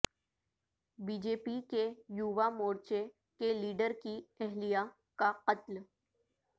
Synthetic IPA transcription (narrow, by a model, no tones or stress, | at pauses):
biːd͡ʒeːpikejuʋamoːɽt͡ʃe | keliːɖəɾkiɛɦlija | kaqət̪l